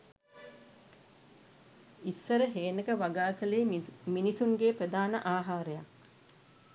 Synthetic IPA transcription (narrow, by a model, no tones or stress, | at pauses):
isːəɾəɦeːnəkəʋaɡaːkəleːminisuŋɡeːprəd̪aːnəʔaːɦaːɾəjak